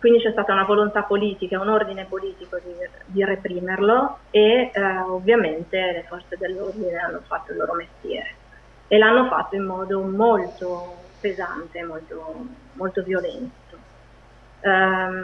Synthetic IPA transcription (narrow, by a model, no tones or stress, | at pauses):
kwind̪it͡ʃɛst̪aːt̪aunavolont̪apoliːt̪ikaunord̪inepoliːt̪ikod̪id̪irepɾiːmerloeovːjament̪elefɔrt̪sed̪elːord̪ineanːofat̪ːoilːo̰ːɾomest̪jɛ̰ːɾe | elanːofa̰t̪ːoimːɔːd̪omolt̪opeza̰nt̪eːmːolt̪o | molt̪ovjolɛnt̪o